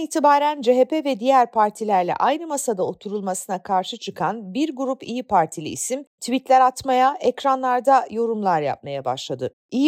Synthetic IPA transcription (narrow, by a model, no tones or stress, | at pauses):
iːt̪ʰibaːɾænd͡ʒeɦepevɛd̪ijæɾpʰaɾt̪ʰilʲæɾlʲɛ̰ʔajnɯmasad̪ao̞t̪ʰuɾulˠmasɯnakʰaɾʃɯt͡ʃʰɯkʰanbiɾɡuɾupijipʰaɾt̪ʰilʲḭisimt̪ʰvit̪lʲæɾat̪majaʔɛcɾanlˠaɾd̪ajo̞ɾumlˠaɾja̰p̚majaba̰ʃlˠad̪ɯ | ij